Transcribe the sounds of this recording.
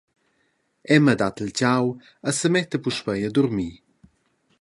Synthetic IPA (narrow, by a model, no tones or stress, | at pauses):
ɛməd̪at̪əlt͡ɕaw | əsəmɛt̪əpuʃpəjəd̪uɾmiː